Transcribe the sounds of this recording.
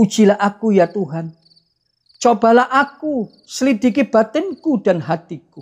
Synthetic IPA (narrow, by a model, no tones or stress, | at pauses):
ud̥d͡ʒ̥i̤lahʔakujat̪uɦan | t͡ʃob̥a̤lahʔaku | səlid̪i̤kib̥at̪ɛnkudanɦat̪iku